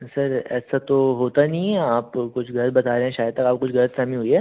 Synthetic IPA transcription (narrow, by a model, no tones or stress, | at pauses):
sɐɾɛːsat̪oɦoːt̪anɐɦĩaːpkʊt͡ʃʰɡʱɐɾɾbɐt̪aːɾeɦɛ̃ʃaːjəd̪t̪ɐkaːp̚kʊt͡ʃʰɡʱɐɾət̪sɐmĩɦoiɦɛː